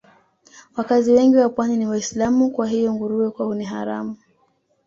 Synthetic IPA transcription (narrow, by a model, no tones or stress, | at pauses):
wakaziwɛŋɡiwapwaniniwaislamukwaɦijɔŋɡuɾuɛkwahuniɦa̰ɾa̰mu